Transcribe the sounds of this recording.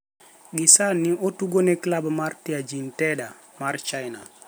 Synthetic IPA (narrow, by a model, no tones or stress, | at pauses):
ɡisaniʔotuɡoneklabmaɾtiad͡ʒintɛda | maɾt͡ʃajna